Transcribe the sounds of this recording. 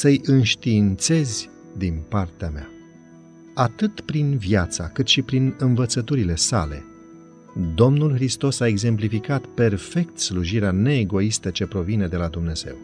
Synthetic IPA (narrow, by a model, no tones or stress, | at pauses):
səjʔɨnʃt̪iːnt̪se̞zʲ | d̪inpart̪eamea̰ | at̪ɨt̪pɾinvjat̪sa̰kɨt̪ʃipɾinɨnvət̪sət̪uɾile̞sa̰le̞̰ | d̪o̞mnulxɾist̪o̞sae̞ɡze̞mplifikat̪pe̞rfe̞k̚t̪sluʒiɾeane̞ːɡo̞ist̪ət͡ʃe̞pɾo̞vine̞d̪e̞lad̪umne̞z̥e̞̰w